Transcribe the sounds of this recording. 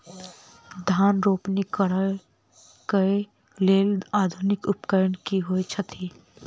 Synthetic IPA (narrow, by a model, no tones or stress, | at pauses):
d̪ʱaːnɾoːpnikəɾə | kəe | leːlaːd̪ʱʊnɪkʊpkəɾəɳkiɦoet͡ʃʰət̪ʰiː